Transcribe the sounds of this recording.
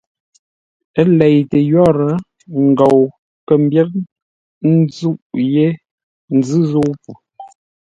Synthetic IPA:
ə˦lɛ˨jtə˨jɔ˦˨ɾə˨˦ | ŋ̩˨ɡo˨w | kə˨m˦bjɛ˦k̚ | n˦d͡zu˦ʔje˦ | n̩˨˦d͡zɨ˦zo˦pu˨

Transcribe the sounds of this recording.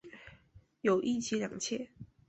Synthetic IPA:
jo˨˩ʊʔi˥˨t͡ɕʰi˨˧˥ljɑ˨˩ŋt͡ɕʰjɛ˥˨

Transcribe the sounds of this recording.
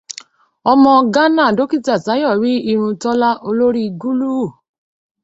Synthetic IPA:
ɔ˧mɔ̃˧ɡa˦nã˦˨do˨˦ki˦˨ta˨ta˨˦jɔ˦˨ɾi˦i˧ɾ̃ũ˧tɔ˦la˦ʔo˧lo˦ɾi˦ɡu˦lu˦˨

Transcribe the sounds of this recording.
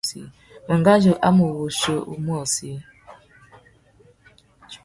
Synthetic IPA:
sḭ˨ | u˨ŋɡa˦d͡ʒo˨ʔa˦mu˨wu˨ʃo˨ʔṵ˨mwo˦˨si˦

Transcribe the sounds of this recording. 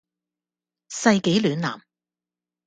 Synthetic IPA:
sɐ˧jke˨˥jlyː˨˧na̰ː˨˩m

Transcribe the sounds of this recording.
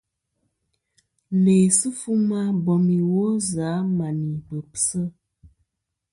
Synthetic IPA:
leː˨sɨ˦fu˦ma˦bɔ˨mi˨wo˦za˨˦ma˨ni˨bə˨psə˦

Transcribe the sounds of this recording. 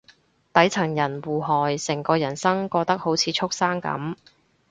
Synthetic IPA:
t̪ɐ˨˥jt͡sʰɐ˨˩ŋjɐ˨˩nwuː˨˩ɦɔː˨˩jsɪ˨˩ŋkɔː˧jɐ˨˩nsɐ˥ŋkɔː˧k̚t̪ɐ˥k̚ho˨˥wt͡sʰiː˨˧t͡sʰʊ˥k̚saː˥ŋkɐ̰˨˥m

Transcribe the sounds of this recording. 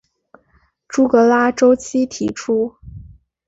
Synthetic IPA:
ʈ͡ʂu˥kɤ˧˥la˥ʈ͡ʂo˥ʊt͡ɕʰi˥t̪ʰḭ˧˥ʈ͡ʂʰu˥

